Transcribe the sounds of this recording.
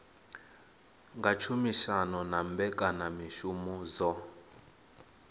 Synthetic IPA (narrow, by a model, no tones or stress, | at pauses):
ŋɡat͡ʃʰumiʃanɔnambɛkʼanamiʃumɔzɔ